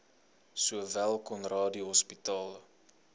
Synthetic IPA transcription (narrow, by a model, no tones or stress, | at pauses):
suəvælˠkɔnrɑːdiɦɔspitɑːlˠ